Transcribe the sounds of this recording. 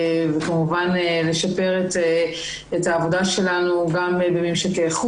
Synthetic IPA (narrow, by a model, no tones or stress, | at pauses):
vekamuvanle̞ʃape̞ʁet̪e | etaːvo̞daʃe̞lanuɡambemimʃekeχu